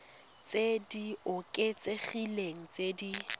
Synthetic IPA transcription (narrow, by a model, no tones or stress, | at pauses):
t͡sediʊkʼet͡seχileŋ̩t͡sʼedi